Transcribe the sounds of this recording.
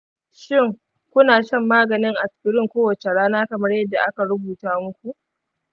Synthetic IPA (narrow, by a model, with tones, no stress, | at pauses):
ʃɪ˦˨ŋ | kʷʊ˦naː˨ʃɐ˦mːaː˦ɡɐ˨nɪ˦ŋʔa˨skɪ˦ɾɪ˦ŋkʷoː˦wɐ˨t͡ʃe˨ɽaː˦naː˦kɐ˨mɐ˦rjɐ˦dːa˨ʔa˦ka˨ɽʊ˦buː˨taː˦mʊ˦kʷu˨ʔ